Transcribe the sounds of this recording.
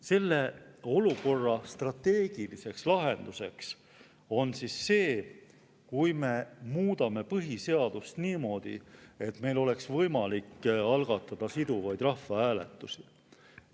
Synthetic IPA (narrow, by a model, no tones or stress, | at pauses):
se̞lːe̞o̞luko̞rːɑst̪rɑt̪ːe̞ːɡ̥ilise̞kslɑɦe̞nd̪̥use̞ks | o̞nsisːe̞ː | kujme̞muːd̪̥ɑme̞pɤɦise̞ɑd̪̥ust̪niːmo̞ːd̪̥ḭe̞t̪me̞jlo̞le̞ksvɤjmɑlikɑlɡ̥ɑt̪ːˑɑd̪̥ɑsid̪̥uvɑjd̪̥rɑhfːɑæːlḛt̪ːˑusi